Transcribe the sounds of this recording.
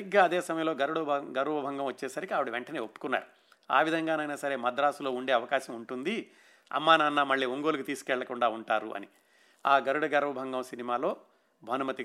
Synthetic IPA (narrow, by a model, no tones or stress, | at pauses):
ɡːaːɐd̪eːsɐmɐjɐmloːɡɐɾuɽɐɡɐɾʋɐbʱɐŋɡɐmʋɐt͡ʃːe̞ːsɐɾikiaːʋuɽiʋeɳʈɐne̞ːopːu̥kunːa̰ːɾu | a̰ːʋid̪ʱɐŋɡaːnɐjnaːsɐɾeːmɐd̪ɾaːsulo̞ːuɳɖe̞ːɐʋɐkaːʃɐmuɳʈund̪i | ɐ̰mːaːnaːnːamɐɭːiːoŋɡoːlukut̪iːsu̥kɛɭːɐkuɳɖaːuɳʈaːɾṵʔɐ̰ni | aːɡɐɾuɽɐɡɐɾʋɐbʱɐŋɡɐmsinimaːlo̞ː | bʱɐnɐmɐt̪i